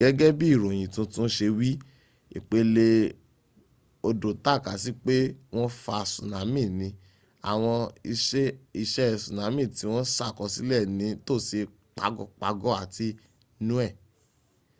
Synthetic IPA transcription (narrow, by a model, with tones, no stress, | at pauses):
ɡɛ˦ɡɛ˦bi˦i˦˨ɾõ˨j̃ĩ˨tũ˧˦tũ˦ʃe˧wi˦ | ḭ˨k͡pe˨˦le˧ | o˧do˨ta˦˨ka˨si˦k͡pe˦w̃ɔ̃˦fa˧˨sũ˨nã˨˦mĩ˦˨nĩ˨˧˦ | a̰˨w̃ɔ̃˧i˧˦i˧ʃɛ˦˨sũ˨nã˨˦mĩ˦˨ti˨˧˦w̃ɔ̃˦sa˦˨kɔ˧si˦lɛ˦˨nĩ˨˦to˦˨se˧ | k͡pa̰˨˦ɡɔ̰˦˨k͡pa̰˧˦ɡɔ˦a˦˨ti˧ | nũ˦ɛ˦˨